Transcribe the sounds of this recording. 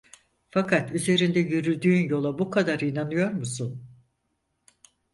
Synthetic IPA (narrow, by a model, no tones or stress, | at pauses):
fakʰat̪yze̞ɾind̪ɛjyɾyd̪yːnjo̞lˠabukʰad̪aɾinanɯjo̞ɾmusun